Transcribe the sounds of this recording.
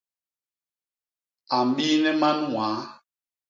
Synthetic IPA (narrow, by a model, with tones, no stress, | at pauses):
a˨m˦bi˦nɛ˦ma˦nũ˦waː˨˦